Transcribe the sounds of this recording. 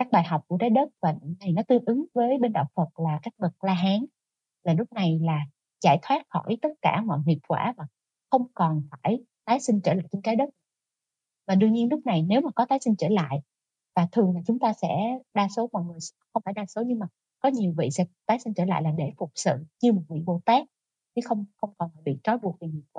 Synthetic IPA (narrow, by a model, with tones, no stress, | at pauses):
kaː˦˥k̚ɓaː˨˩jɦa˨˩wk͡p̚ku˧˩ət̪aː˨˦jɗə˦˥t̚vaː˨˩˨na˨˩jnɔ˨˦t̪ɨ˧əŋʔɨ˨˦ŋvəː˨˦jɓe˧nɗa̰ː˧˨wfə˨˩t̚laː˨˩kaː˦˥k̚ɓə˨˩k̚laː˧ɦaː˨˦ŋ | laː˨˩lʊ˦˥k͡p̚na˨˩jlaː˨˩ | zaː˧˩jt̪ʰwaː˦˥t̚xɔ̰˧˩˨jt̪ə˦˥t̚kaː˧˩mɔ̰˧˨jɦi˨˩əp̚kwaː˧˩vaː˨˩ | xə˧wŋ͡mkɔ˨˩nfaː˧˩j | t̪aː˨˦jsï˧ŋt͡ɕəː˧˩la̰ː˧˨jt͡ɕɔ˧nt̪aː˨˦jɗə˦˥t̚ | vaː˨˩ɗɨ˧ɲi˧ənlʊ˦˥k͡p̚na˨˩jne˨˦wmaː˨˩kɔ˨˦t̪aː˨˦jsï˧ŋ̟t͡ɕəː˧˩la̰ː˧˨j | vaː˨˩t̪ʰɨ˨˩əŋlaː˨˩t͡ɕʊ˨˦ŋ͡mt̪aː˧sɛ̰˧˥ɗaː˧so˨˦mɔ̰˧˨jŋɨ˨˩əjxə˧wŋ͡mfaː˧˩jɗaː˧so˨˦ɲɨ˧ŋmaː˨˩ | kɔ˨˦ɲi˨˩əwvḭ˧˨sɛ̰˧˥t̪aː˨˦jsï˧ŋ̟t͡ɕəː˧˩la̰ː˧˨jlaː˨˩ɗe˧˩fʊ˨˩k͡p̚sɨ̰˧˨ɲɨ˧mo˨˩t̚vḭ˧˨ɓo̰˧˨˩t̪aː˦˥k̚ | t̪ʰi˨˦xə˧wŋ͡mxə˧wŋ͡mkɔ˨˩naː˨˩ɓḭ˧˨t͡ɕɔ˨˦jɓu˨˩ək̚ve˨˩ŋi˨˩p̚kwa̰ː˧˦